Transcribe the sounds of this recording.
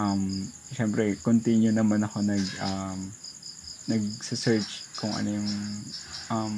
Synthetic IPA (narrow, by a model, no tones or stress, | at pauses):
ʔɐm | ʃɛmpɾɛkont̪injʊnɐmanɐko̞nɐɡ̚ʔɐm | nɐɡ̚sɪsɛɹt͡ʃkʊŋʔɐ̰nojʊŋ | ʔɐm